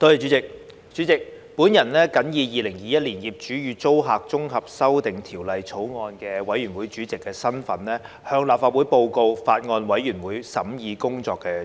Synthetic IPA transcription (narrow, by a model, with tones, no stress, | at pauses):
t̪ɔ˧ji˨t͡ʃy˨˥t͡sɪ˨k̚ | t͡ʃy˨˥t͡sɪ˨k̚ | puː˨˥njɐ˨˩nlɛː˥kɐ˨˥njiː˧jiː˨˧lɪ˨˩ŋjiː˨˧jɐ˥t̚liː˨˩njiː˨˩p̚t͡ʃyː˨˥jyː˨˧t͡so˥wɦaː˨k̚t͡sʊ˥ŋɦɐ˨p̚sɐ˥wt̪ɪ˨ŋt̪ʰiː˨˩wlɐ˨jt͡sʰo˨˥wŋɔː˧nkɛː˧wɐ˨˥jɥyː˨˩nwu˨˥jt͡ʃyː˨˥t͡sɪ˨kːɛː˧sɐ˥nfɐ˨˥nlɛː˥ | hœː˧ŋlaː˨p̚faː˧t̚wuː˨˥jpo˧wko˧wfaː˧t̚ŋɔː˧nwɐ˨˥jɥy˨˩nwuː˨˥jsɐ̰˨˥mjiː˧kʊ˥ŋt͡sɔː˧kːɛː˧